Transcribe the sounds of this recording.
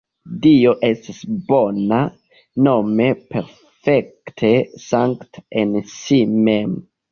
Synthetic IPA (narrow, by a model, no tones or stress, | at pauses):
d̪ioʔɛst̪esbɔna | nomepʰɛɾ | fɛkt̪ʰəsaŋkt̪ɛnsimem